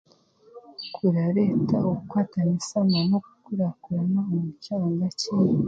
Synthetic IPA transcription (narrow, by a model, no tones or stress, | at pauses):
kʰuɾaɾetauukwaːtanisamɡanoku̥kuɾakuɾanaomucaːŋɡaci